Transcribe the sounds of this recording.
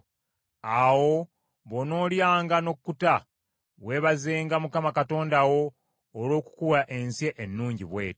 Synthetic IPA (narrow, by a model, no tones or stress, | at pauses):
awo̞ | βo̞no̞ːljaːŋɡano̞kkːuta | βwe̞ːβazeːŋɡamukamakato̞ːndawo̞ː | lo̞ːku̥kuwaʔe̞nsjeʔenːuːɲɟiβwe̞̰ːt